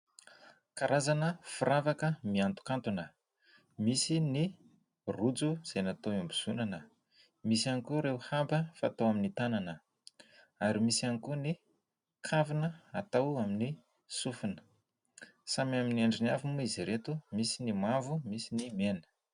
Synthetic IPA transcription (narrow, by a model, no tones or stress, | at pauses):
kaɾazanəfuɾavakəmiant̪u̥kant̪unə | misini | rud͡zuz̥ejnat̪oimbiz̥unanə | misianikuɾeuhambəfa̰t̪oaminit̪ananə | aɾimisianikuni | kʰavinəat̪awamini | sufunə̥ | samamineɳɖ͡ʐiniavumuiziɾet̪umisinimavumisinimenə̥